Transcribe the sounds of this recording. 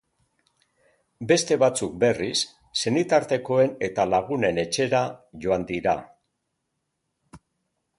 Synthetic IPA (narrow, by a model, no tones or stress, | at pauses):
be̞st̪e̞βat͡suk̚be̞risː | e̞nit̪aɾt̪e̞ko̞e̞ne̞t̪alaɣ̞une̞ne̞t͡ʃe̞ɾaʝo̞and̪iɾa̰